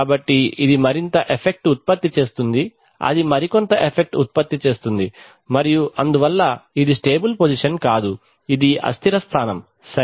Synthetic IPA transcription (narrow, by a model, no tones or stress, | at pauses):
aːbɐʈːiid̪imɐɾint̪ɐʔepʰe̞k̚ʈut̪̚pɐt̪ːit͡ʃe̞ːst̪und̪i | ɐ̰d̪imɐɾikont̪ɐʔepʰek̚ʈut̪̚pɐt̪ːit͡ʃe̞ːst̪und̪i | mɐɾijuʔɐnd̪uʋɐlːɐid̪isʈe̞ːbulpoːd͡ʒiʂɐnkaːd̪u | id̪iɐ̰st̪ʰiɾɐst̪ʰaːnɐm | sɐ